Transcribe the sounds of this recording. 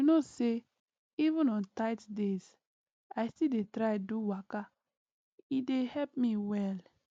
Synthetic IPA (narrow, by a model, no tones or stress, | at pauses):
unose | ivə̃nɔ̃ntaɪtdez | ajstildetɾaɪduwaka | idehɛp̚miwɛl